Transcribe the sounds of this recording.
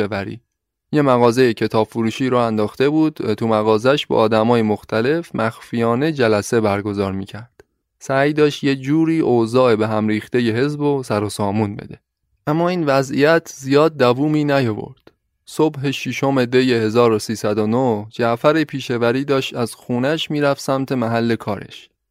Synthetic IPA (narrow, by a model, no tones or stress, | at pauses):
evæɾḭː | je̞mæɣɒːze̞jecʰe̞t̪ʰɒːb̥fuɾuːʃiːɾɒːænd̪ɒːxt̪e̞buːd̪̥t̪ʰumæɣɒːzæʃbḛʔɒːd̪æmɒːjemoxt̪ʰæle̞fmʔæxfijɒːne̞d͡ʒælæse̞bæɾɡo̞zɒːɾmiːcʰæɾd̪̥ | sæjd̪ɒːʃt̪je̞d͡ʒuːɾiːʔozɒːe̞beɦæmɾiːxt̪e̞je̞ɦe̞zbosæɾosɒːmunbḛd̪e̞̰ | ʔæmːɒːiːnvæzʔijæt̪ʰzijɒːd̪̚ːævuːmiːnæjo̞vo̰ɾd̪̥ | sobɦe̞ʃiʃo̞me̞d̪e̞jehe̞zɒːɾosiːsæd̪onohd͡ʒæʔfæɾepʰiːʃe̞væɾiːd̪ɒːʃt̪æzxuːnæʃmiːɾæfsæmt̪ʰe̞mæɦælːe̞kʰɒːɾʔḛʃ